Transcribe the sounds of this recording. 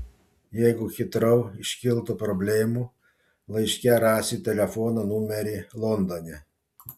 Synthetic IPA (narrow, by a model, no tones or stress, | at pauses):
jɛɪɡʊxʲɪt̪ɾɐʊɪʃʲkʲɪlˠt̪upɾɔbʲlʲeːmu | lˠɐɪʃʲkʲɛɾɑːsʲɪt̪ʲɛlʲɛfɔːnɐnumʲɛɾʲɪlˠɔnd̪onʲɛ